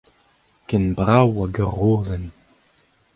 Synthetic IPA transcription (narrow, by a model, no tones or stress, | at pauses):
kɛnbʁawaɡəʁoːzɛn